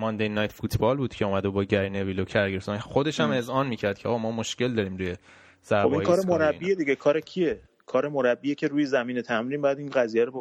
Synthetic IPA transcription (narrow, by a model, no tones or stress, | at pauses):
mɒnd̪ejnɒːjt̪ʰfuːt̪ʰbɒːlbuːd̪cʰe̞umæd̪ebɒːɟæɾinevilocʰæɾɡefsɔnxod̪e̞ʃæme̞zɒːnmiːcʰæɾd̪̚cʰeɒ̰ːɣɒmɒːmoʃce̞ld̪ɒːɾiːmɾuːje | z̥æɾobĩŋːjkʰɒːɾemoɾæbːijed̪iɟekʰɒːɾecʰie | kʰɒːɾe̞moɾæbːijecʰe̞ɾuːjezæmiːnet̪ʰæmɾiːnbæːd̪inɢæzijæɾo